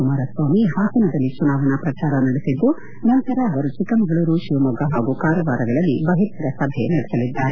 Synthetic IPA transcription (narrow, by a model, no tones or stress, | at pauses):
kumaːɾɐsʋaːmiɦaːsinɐd̪ɐlːit͡ʃunaːʋɐnɐpɾɐt͡ʃaːɾɐnɐɽesid̪ːu | nɐnt̪ɐɾɐːʋɐɾut͡ʃikɐmɐɡɐɭɐɾuʃiʋɐmuɡɐɦaːɡukaːɾɐʋaːɾɐɡɐɭɐlːibɐɦit̪ɐɾɐsɐbʱenɐɽesɐlid̪ːaːɾe